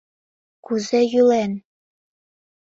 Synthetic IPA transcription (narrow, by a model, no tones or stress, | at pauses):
kuzejylen